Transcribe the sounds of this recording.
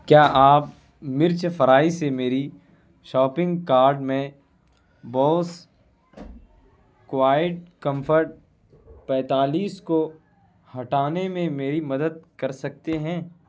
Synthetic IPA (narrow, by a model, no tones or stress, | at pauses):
kjaːʔaːp | mɪɾt͡ʃfʰɐɾaːisemeːɾi | ʃɔːpɪ̃ŋɡkaːɾɖmẽ | bɔːs | kʋaːɪʈ̚kɐ̃mfʰəɾʈ̚ | pɛ̃ːt̪aːliːsko | hɐʈaːnemẽmeːɾimɐd̪əd̪̚kɐɾsɐk̚t̪eɦɛ̃ː